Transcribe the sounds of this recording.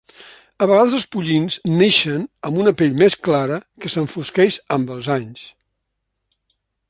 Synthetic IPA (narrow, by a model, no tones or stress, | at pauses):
əβəɣaðzəlˠspuʎinzneʃənəmbunəpeʎmesklaɾəkəsəɱfuskɛʃəmbəlˠzaɲs